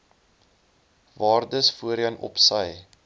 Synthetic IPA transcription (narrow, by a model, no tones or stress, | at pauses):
vɑːrdəsfuəɾjɐnɔ̰psəj